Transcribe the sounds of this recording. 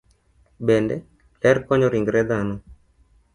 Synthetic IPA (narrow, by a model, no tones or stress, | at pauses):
bɛndɛ | lɛɾkɔɲɔɾiŋɡɾɛd̪anɔ